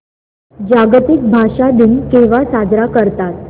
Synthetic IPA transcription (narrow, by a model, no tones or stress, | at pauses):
d͡ʑaɡt̪ik̚bʱaʂad̪inkeʋasad͡zɾakəɾt̪at̪